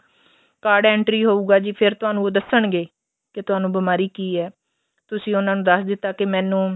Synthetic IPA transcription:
kaːɾɖɛ̃ːɳʈɾiːɦoːuːɡaːd͡ʒiːpʰɪɾt̪ʊɦaːnũːoːd̪əsːəɳɡeː | kɪt̪ʊaːnũːbɪmaːɾiːkiːɛː | t̪ʊsĩːʊnãːnũːd̪əsd̪ɪt̪ːaːkɪmɛːnũː

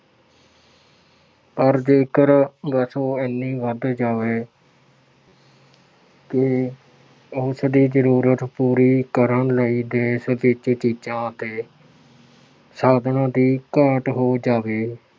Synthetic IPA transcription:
pəɾd͡ʒeːkəɾɡəsõːenːiːʋəd̪d͡ʒaːʋeː | kɪ | ʊsd̪iːzəɾuːɾət̪puːɾiːkəɾəɳləiːd̪eːsd̪ɪt͡ʃt͡ʃiːd͡ʒãːt̪eː | saːd̪ʱɳãːd̪iːkəɾʈɦoːd͡ʒaːʋeː

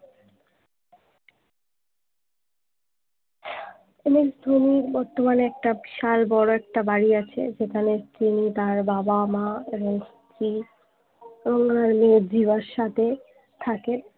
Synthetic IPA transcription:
emesd̪ʱuniɾbɔɾt̪omaneɛk̚ʈabʃalbɔɽoɛk̚ʈabaɽiat͡ɕʰḛd͡ʑekʰanet̪init̪aɾbabamaeɾest̪ɾi | boŋaɾmed͡ʑibaɾʃat̪ʰe | t̪ʰaken

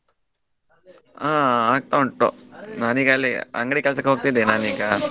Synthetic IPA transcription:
aːaːɡ̚t̪auɳʈo̰naːniːɡalːiɐ̰ŋɡɐɽikɐlsɐkːeɦoːɡ̚t̪id̪enaːniːɡa

